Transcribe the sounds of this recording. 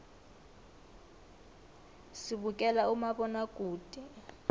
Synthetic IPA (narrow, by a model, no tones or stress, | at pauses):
siɓukʼɛlaumaɓɔnakʼuːd̥ʱʼɛ